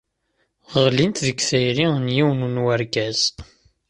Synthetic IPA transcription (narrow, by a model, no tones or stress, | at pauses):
ʁʁlint̪ðəkθæjɾiənjiwnunwæɾɡæz